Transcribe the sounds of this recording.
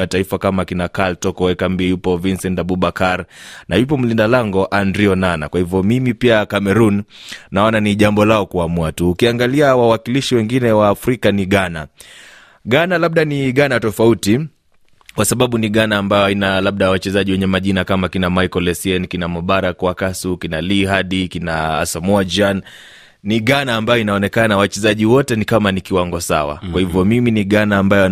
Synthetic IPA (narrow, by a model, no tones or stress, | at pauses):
ataifakamakinakaltɔkɔwɛkambiɛjupɔvinsɛntaɓuɓakaɾnajup̬ɔm̩lindalaŋɡɔʔandɾiɔnana̰kwahivjɔmimipiakamɛɾunnaɔnaniʄambɔlaɔkuamuatuːkiaŋɡaliawawakiliʃiwɛŋɡinɛwaːfɾikaniɠana | ɠanalaɓ̚ɗaniɠanatɔfauti | kwasaɓaɓuniɠanaːmbajɔainalaɓ̚ɗawat͡ʃɛzaʄiwɛɲɛmaʄinakamakinamajkɔlɛsiɛnkinamɔɓaɾakwakasukinaliɦaɗikinaa̰samɔad͡ʒan | niɠanaːmbajɔinaɔnɛkanawat͡ʃɛzaʄiwɔtɛnikamanikiwaŋɡɔsa̰wa̰kwahivjɔmiminiɠanaːmbajɔ